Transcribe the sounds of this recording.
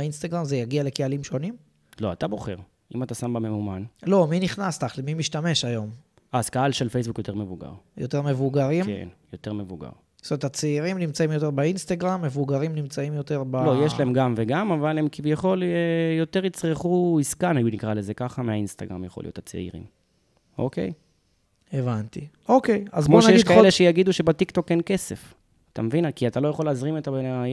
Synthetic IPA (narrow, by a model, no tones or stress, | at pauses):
inst̪aɡʁamzejaɡiale̞kealimʃo̞nim | lo̞atabo̞χe̞̰ʁ | imat̪asambameumanlo̞miniχnast̪aχlemimiʃt̪ame̞ʃajo̞m | azkaalʃelfejs̬bukjo̞t̪e̞ʁme̞vuɡa̰ʁjot̪e̞ʁme̞vuɡaʁimkḛnjo̞te̞ʁme̞vuɡa̰ʁ | stomeet̪at͡seiʁimnimt͡saimjo̞t̪̬e̞ʁbainst̪aɡʁamːe̞vuɡaʁimnimt͡saimjo̞t̪e̞ʁbalo̞jeʃlaemɡamveɡamavalemkivjaχo̞lejo̞t̪eʁit͡sʁeχuiskanajunikʁale̞ze̞kaχameainst̪aɡʁa̰mja̰χo̞lijo̞tat͡sḛḭʁḭm | o̰ke̞̰j | evant̪i | okejazbmoʃaejiealeʃejaɡid̪uʃe̞bat̪ikt̪o̞kːenkese̞f | at̪a̰mevinakiat̪alo̞jaχo̞leːzʁimet̪abe